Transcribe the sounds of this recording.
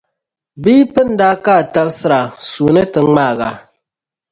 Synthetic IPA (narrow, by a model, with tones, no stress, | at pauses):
biː˦pɨ˦n̩˦daː˦kaː˦˨ta˦lsɨ˦ɾa˨su˨nɨ˦tɨ˨˦ŋ͡maː˦˨ɣa̰˨